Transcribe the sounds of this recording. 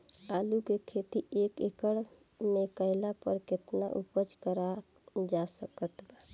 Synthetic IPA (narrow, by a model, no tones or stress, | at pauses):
alukekʰet̪iekekəɽ | mekəɪlapəɾket̪naʔupət͡ʃkəɾa | d͡ʒasəkət̪ba